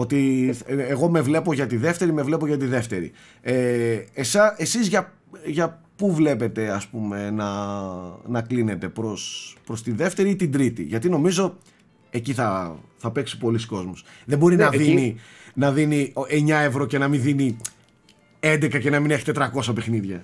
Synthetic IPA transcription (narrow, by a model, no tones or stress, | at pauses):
o̞t̪ieɣo̞me̞vle̞po̞ʝɐt̪iðe̞ft̪e̞ɾime̞vle̞poʝɐt̪iðe̞ft̪e̞ɾḭ | eesɐʔe̞sizʝɐ | ʝɐpuvle̞pe̞t̪e̞ɐspume̞nɐ | nɐkline̞t̪e̞pɾo̞spɾo̞st̪iðe̞ft̪e̞ɾiit̪id̪ɾit̪ḭʝɐt̪ino̞mizo̞ | e̞ciθɐθɐpe̞ksi̥po̞lisi̥ko̞zmosðebo̞ɾinɐðininɐðinieɲɐe̞vɾo̞ce̞nɐminðini | e̞nd̪e̞kɐce̞nɐmineçet̪et̪ɾɐko̞sɐpe̞xniðʝɐ̰